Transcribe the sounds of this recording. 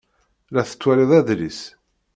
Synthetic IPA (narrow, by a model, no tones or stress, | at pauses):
læθə̥t͡sːwæliðˤæðlis